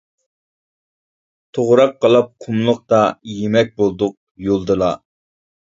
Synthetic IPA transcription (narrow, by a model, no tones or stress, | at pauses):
t̪ʰoʁɾɑqːɑlˠɑp̚qʰumlˠʊq̚t̪ɑjemɛk̚ʲbolˠd̪ʊq̚jolˠd̪ɨlˠɑ